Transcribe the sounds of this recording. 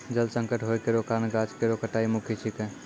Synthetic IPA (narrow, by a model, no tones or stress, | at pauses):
d͡ʒəlsə̃ŋkəʈɦojkeɾokaɾnɡat͡ʃkeɾokəʈaimukʰit͡ʃʰike